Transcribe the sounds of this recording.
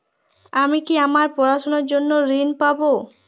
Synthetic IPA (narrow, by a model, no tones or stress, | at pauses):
amikiamaɾpɔɾaʃonoɾd͡ʑonːoɾinpabo